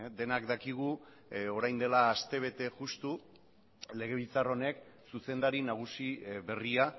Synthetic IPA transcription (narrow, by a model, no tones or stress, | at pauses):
d̪e̞nakd̪akiɣu | o̞ɾajnd̪e̞laːst̪e̞β̞e̞t̪e̞ʝust̪u | le̞ɣ̞e̞β̞ilt͡saro̞ne̞ksuse̞nd̪aɾinaɣ̞usiβe̞ria